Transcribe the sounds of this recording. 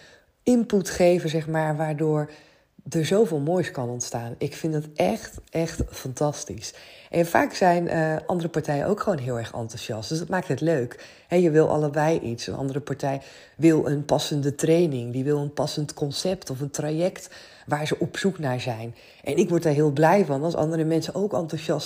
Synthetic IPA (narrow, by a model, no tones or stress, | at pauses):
ʔɪmputχejvəzɛχmaːɹʋaːɹdʊːɹ | dəɹzowvɪːlˠmoːjskɑnɔntstaːnɪkfɪndɑtʔɛχtʔɛχtfɑntɑstisʔɛnfa̰ːksɛjnʔəɑ̰ndərəpɑɹtɛjə̰ʔo̰wkχəʋownɦɪːlˠɛɹχɑ̰ntuzɑstdøsdɑtmaːk̚tɦɛtløɥk | ɦɛjəʋɪlˠʔɑ̰ləbɛjʔitsə̰nʔɑ̰ndəɾəpɑɹtɛj | ʋɪlˠʔənpɑsəndətrejnɪŋdiʋɪlˠənpɑsəntkɔnsɛptɔfəntrajɛkt | ʋaːɹzəʔɔpsuknaːɹzɛjn | ʔɛnɪkʋɔɹt̚daːɹɦɪːlˠblɛjvɑnɑlˠsɑ̰ndəɾəmɛnsənowkɑntuʃɑs